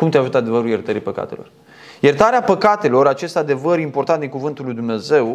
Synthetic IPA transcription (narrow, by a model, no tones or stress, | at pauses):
kumt̪eaʒut̪əad̪e̞vəɾulje̞rt̪əɾipəka̰t̪e̞lo̞r | je̞rt̪aɾeapəkat̪e̞lo̞ɾat͡ʃe̞st̪ad̪e̞vəɾimport̪and̪iŋkuvɨnt̪ulːujd̪umne̞ze̞w